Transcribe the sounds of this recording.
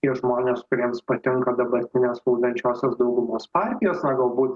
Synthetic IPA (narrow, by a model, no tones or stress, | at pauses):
iɛʒmoːnʲeːskʊɾʲiɛmspɐt̪ʲɪŋkɐd̪ɐbɐɾʲt̪ʲɪnʲeːsɐʊd̪ʲɐnʲt͡ʃʲoːsʲɛsd̪ɒʊɡʊmoːspɑːɾʲt̪ʲɪjoːsnɐɡɐlˠbuːt̪